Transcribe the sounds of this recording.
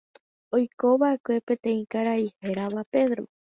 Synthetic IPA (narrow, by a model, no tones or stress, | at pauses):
o̞jko̞βaekʷe̞pẽ̞t̪ẽ̞ĩkaɾaihe̞ɾaβape̞ðɾo